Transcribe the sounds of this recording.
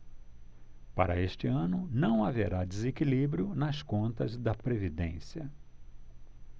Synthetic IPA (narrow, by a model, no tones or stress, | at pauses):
paɾɐ̰est͡ʃɪɐ̃nʊnɐ̃w̃aveɾad͡ʒezekilibɾiʊnɐskõnt̪ɐzd̪ɐpɾevid̪ḛ̃sjɐ